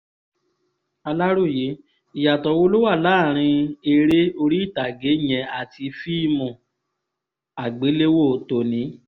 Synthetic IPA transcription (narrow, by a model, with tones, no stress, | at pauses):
a˧la˦ɾu˦˨je˨˦ | i˨ja˨tɔ˨˧wo˦lo˦wa˦˨laː˦˨ɾ̃ĩ˧e˧ɾe˦o˧ɾi˦i˦˨ta˨ɡe˨˦j̃ɛ̃˨˧˨a˨ti˧fi˦˨mɔ̃˨ | a˨ɡ͡be˨˦le˦wo˦˨to˨nĩ˨˦